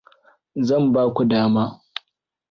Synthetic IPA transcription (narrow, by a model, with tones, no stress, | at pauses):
zɐ˦˨mbaː˦kʷu˨daː˦maː˦